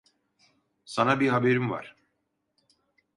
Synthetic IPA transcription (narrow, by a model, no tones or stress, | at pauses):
sanabiɦabeɾimva̰ɾ̥